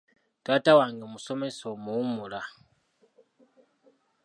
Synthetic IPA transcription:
tʼatawaŋɡɛmusɔmɛsɔmuumula

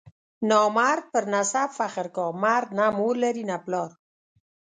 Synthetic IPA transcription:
nɔːmaɾ̚pəɾnasabfaχəɾkɔːmaɾnamuɾleɾinaplɔːɾ

